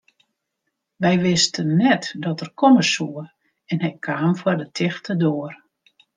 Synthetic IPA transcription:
ʋɛjʋɪstənːɛtdɔtərkʰɔməsuə | ɛnɦɛjkʰaːmfwardətʰɪxtədoər

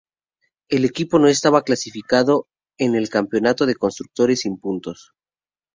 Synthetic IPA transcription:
e̞le̞kipo̞no̞e̞st̪aβaklasifikaðo̞ | e̞ne̞lkampjo̞nat̪o̞ð̞e̞ko̞nst̪ɾuk̚t̪o̞ɾe̞simpunt̪o̞s

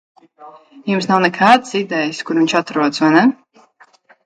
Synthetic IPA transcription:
jums̬nawnɛkʰaːd̪ɨsid̪ɛjɨskuɾviɲʲt͡ʃat̪ɾuɔd̪zvanɛ

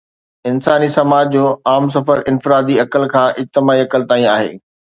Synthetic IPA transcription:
ɪnsaːnisɐmaːd͡ʑd͡ʑoːaːms̬ɐfəɾɪ̃nfɪɾaːd̪iɐkəlkʰãːʔɪd͡ʑt̪ɪmaːiɐkəlt̪aːĩaːɦḛː

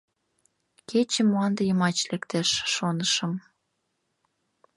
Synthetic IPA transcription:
kʰet͡ɕemːoɑnd̪əjəmɑt͡ɕlekt̪eʃːonəʃəm

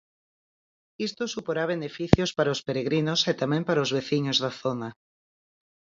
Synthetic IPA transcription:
ist̪osupoɾaβ̞enefiθjospaɾaospeɾeɣɾinoset̪amẽmpaɾaozβeθiɲozðaθona

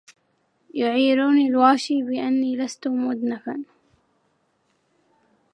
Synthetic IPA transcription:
jʊʕiːɾuːnilwaːʃiːbɪʔanːiːlast̪ʊmʊd̪nafan

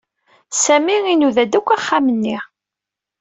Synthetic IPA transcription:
sæmiinuðæd̪ækʷːaχːamənːi

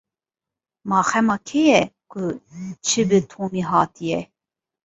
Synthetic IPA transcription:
mɑːxɛmɑːkʰɛjɛkʰʊt͡ʃʰɨbɨt̪ʰoːmiɦɑːt̪ijɛ

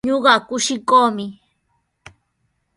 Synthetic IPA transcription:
ɲoɢɑkʊʃɪkoːmɪ

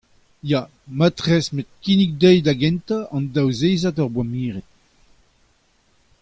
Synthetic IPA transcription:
ja | mat̪ʁɛsmet̪̚kinik̚d̪ɛjd̪aɡɛ̃nt̪aʔɑ̃nd̪awzeːzat̪ɔʁbwamiːʁɛt̚

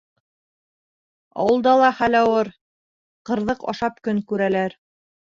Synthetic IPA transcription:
ɑ̰wɤ̆lˠd̪ɑlˠɑχælɑwɤɾ | qɤ̆ɾðɤqɑ̰ʃɑp̚kɵŋkʉɾælæɾ

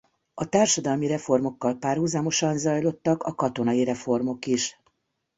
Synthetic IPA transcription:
ɒt̪aːrʃɒd̪ɒlmiɾɛfo̞rmo̞kːɒlpaːrɦuzaːmo̞ʃɒnzɒjlo̞t̪ːɒkɒkɒt̪o̞nɒiɾɛfo̞rmo̞kiʃ

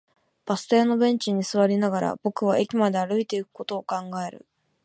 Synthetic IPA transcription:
b̥asɨ̥t̪e̞ːno̞bẽ̞ɲ̟t͡ɕiɲ̟isɨβaɾʲinaɡaɾa̰b̥o̞kɯ̟β̞ae̞kʲimad̪e̞aɾɯ̟it̪e̞ikɯ̟̥ko̞t̪o̞ːkãŋɡae̞ɾɯ̟̰

